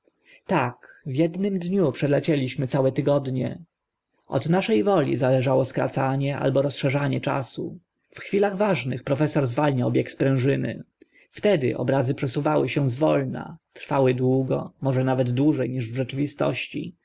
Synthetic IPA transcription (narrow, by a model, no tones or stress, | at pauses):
t̪akvʲjɛd̪nɘmd̪ɲupʂɛlɛt͡ɕɛlʲiɕmɘt̪sawɛt̪ɘɡɔd̪ɲɛ̰ | ɔ̰d̪naʂɛjvɔlʲḭzalɛʐawɔskɾa̰t̪saɲɛʔa̰lbɔɾɔsʂɛʐaɲɛt͡ʂa̰sṵ | fxfʲilaɣvaʐnɘxpɾɔfɛsɔɾzvalɲawbʲjɛktspɾɛ̃w̃ʐɘnɘ̰ | ft̪ɛd̪ɘ̰ʔɔ̰bɾazɘpʂɛsuvawɘɕɛzvɔlna̰t̪ɾfawɘd̪wuɡɔ̰mɔʐɛnavɛd̪d̪wuʐɛjɲiʐvʐɛt͡ʂɘvʲist̪ɔ̰ɕt͡ɕḭ